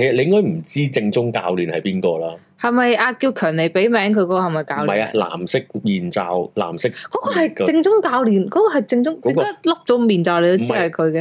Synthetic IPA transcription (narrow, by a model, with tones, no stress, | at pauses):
ke˨˩sɐ˨˩le˧jɪ˥ŋkɔː˥jm̩˨˩t͡siː˥t͡sɪ˧ŋt͡sʊ˥ŋka̰ː˧wliː˨˩nhɐ˨jpiː˥nkɔː˧laː˧ | hɐ˨jmɐ˨jʔaː˧kiː˧wkʰœː˨˩nle˨˩jpe˨˥jmɛː˨˥ŋkʰɵ˨˧jkɔ˧˥kɔː˧hɐ˨˩jmɐ˨˩jkaː˧˨˧wlɐ˨ja̰˧la̰ː˨˩msɪ˥k̚miː˨˩nt͡sa̰ː˧wla̰ː˨˩msɪ˥kkɔː˨˥kɔ˧hɐ˨jt͡sɪ˧ŋt͡sʊ˥ŋkaː˧wliː˨˩nkɔː˨˥kɔː˧hɐ˨jt͡sɪ˧ŋt͡sʊ˥ŋt͡sɪ˨˥ŋ˧kaː˥lʊ˥k̚t͡sɔ˨˥miː˨˩nt͡saː˧wle˨˧t̪o˥t͡siː˥ɐ˨jkʰɵ˨˧ɥkɛː˧